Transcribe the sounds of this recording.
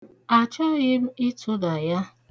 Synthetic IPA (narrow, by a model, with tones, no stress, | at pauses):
a˨t͡ʃɔ˦ɣɪ˦m̩˦ɪ˦tʰʊ˦da˨ja˦